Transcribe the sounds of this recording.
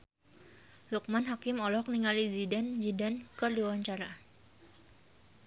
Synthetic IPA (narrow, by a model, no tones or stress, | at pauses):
luk̚manɦakɪmɔlɔk̚niŋalid͡ʒidand͡ʒidankərdiwawaɲt͡ʃaɾa